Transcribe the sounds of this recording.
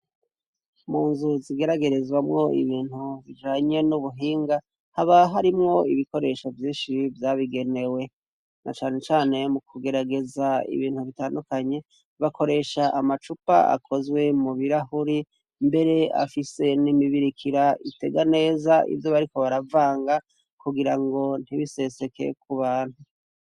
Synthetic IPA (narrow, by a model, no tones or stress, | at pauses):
muːnzuziɡe̞ɾaɡe̞ɾezwamŋo̞ḭβiːnhuβid͡ʒaːɲe̞nuβuɦiːŋɡa | haβaɦaɾimŋo̞iβiko̞ɾe̞ʃovjiːʃivjaːβiɡe̞ne̞we̞ | nʔa̰t͡ʃaːne̞t͡ʃaːne̞mukʰuɡe̞ɾaɡe̞zaḭβiːn̥huβitaːndukaɲe̞ | βakʰo̞ɾe̞ʃaʔamat͡ʃupa̰a̰kʰo̞zwe̞muβiɾahuɾi | mbe̞ɾe̞a̰fise̞nimiβiɾikʰiɾaḭte̞ɡane̞ːzaʔḭvjo̞βaɾiko̞βaɾavaːŋɡa | kuɡiɾaŋɡo̞n̥hiβise̞se̞ke̞̰kʰuβaːnhu